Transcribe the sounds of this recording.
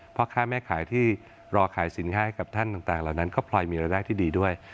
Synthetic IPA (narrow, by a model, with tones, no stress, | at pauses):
pʰɾɔ˦˥kʰaː˥˩mɛː˥˩kʰaː˩˦jt̪ʰiː˥˩ | ɾɔː˧kʰaː˩˦jsi˩˦nkʰaː˦˥ka˨˩p̚t̪ʰa˥˩nt̪a˨˩ŋt̪aː˨˩ŋlaː˨˩wna˦˥nkɔː˥˩pʰlɔː˧jmiː˧ɾaː˧jdaː˥˩jt̪ʰiː˥˩diː˧du˥˩əj